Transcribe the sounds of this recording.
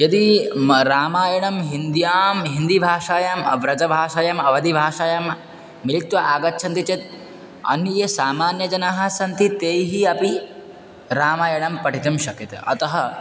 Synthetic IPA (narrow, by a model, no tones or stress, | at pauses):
jɐd̪iɾaːmaːjɐɳɐmɦind̪jaːmɦind̪ibʱaːʂaːjɐmʋɾɐd͡ʒɐbʱaːʃaːjɐmɐʋɐd̪ibʱaːʃaːjɐmː | ilit̪ʋɐʔaːɡɐtːt͡ʃʰɐnt̪it͡ʃɐt̪̚ | ɐ̰njesaːmaːnjɐd͡ʒɐnaɦɐsɐnt̪it̪eːjɦiɐpi | ɾaːmaːjɐɳɐmpɐʈʰit̪ɐmʃɐkjɐt̪ɐ̰ɐ̰t̪ɐɦɐ